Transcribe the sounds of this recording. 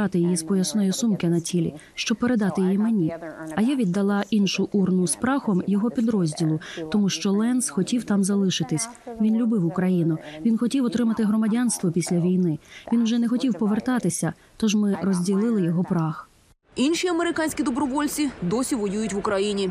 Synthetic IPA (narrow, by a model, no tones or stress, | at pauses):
ɑt̪ɪjijispɔjɐsnɔjɔsumkɪnɐtʲilʲḭ | ʃt͡ʃɔb̚peɾe̞d̪ɑt̪ɪjijimenʲiɐjaʋʲid̪ːɐlˠɑʔinʃʊʔurnʊspɾɑxɔmjɔɦɔpʲid̪ɾɔzʲdʲilˠʊt̪ɔmuʃt͡ʃɔlˠɛnsxɔtʲiwt̪ɑmzɐlˠɪʃɪt̪ɪsʲ | ʋʲinlʲʊbɪwʊkɾɐjinʊʋʲinxɔtʲiwɔt̪ɾɪmɐt̪ɪɦrɔmɐdʲanst̪ʋɔpʲisʲlʲɐʋʲijnɪʋʲinwʒɛnɛxɔtʲiwpɔʋert̪ɑt̪ɪsʲɐ | t̪ɔʒmɪrɔzʲdʲilˠɪlˠɪjɔɦɔpɾɑx | inʃiɐmeɾɪkɑnʲsʲkʲid̪ɔbɾɔʋɔlʲt͡sʲid̪ɔsʲiʋɔjujʊtʲʋʊkɾɐjinʲi